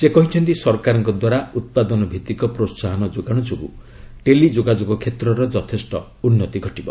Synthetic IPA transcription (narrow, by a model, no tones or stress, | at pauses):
sekɔɦit͡ʃʰɔnt̪isɔɾkaɾɔŋkɔd̪waɾaut̪̚pad̪ɔnɔbʱit̪ikɔpɾotsaɦɔnɔd͡ʒoɡaɽ̃ɔd͡ʒoɡṵ | ʈelid͡ʒoɡad͡ʒoɡɔkʰet̪ɾɔɾɔd͡ʒɔt̪ʰesʈɔ̰ | unːɔt̪iɡʱɔʈibɔ